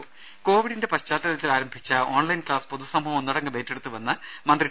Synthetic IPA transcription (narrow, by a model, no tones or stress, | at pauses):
ko̞ːʋiɽinde̞pɐɕt͡ɕaːt̪ːɐɾɐt̪ːilaːɾɐmbʱit͡ɕːɐo̞ːɳlɐjnklaːspoðusɐmbʱɐʋɐmnːɐɽɐŋːɨʋe̞ːtːe̞ɽut̪ːuʋɐnːɐmɐnd̪ri